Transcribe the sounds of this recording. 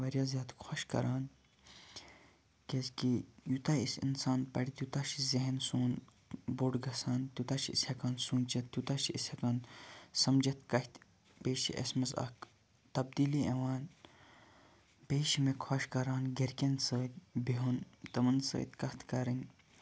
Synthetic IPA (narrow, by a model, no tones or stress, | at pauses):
ʋɐɾjaːzʲjaːt̪kʰaʃkɐ̰ɾaːn | kezkijut̪aːisḭnsaːnpɐ̰ɽit̪jut̪aːʃizeɦensuːn | boɖɡɐsaːnt̪ut̪aːʃiishɐkaːnsũːnt͡ʃɐt̪ːjut̪aːʃiishɐkaːnsɐmd͡ʒɐt̪kɐht̪ | peːʃḭʔɐ̰smɐzɐ̰k | t̪ɐb̚d̪iːliɐʋaːn | peːʃimekʰwɐʃkɐɾaːnɡeɾkʲensəːt̪biɦunt̪ɐmɐnsə̰ːt̪kɐht̪kɐɾɐn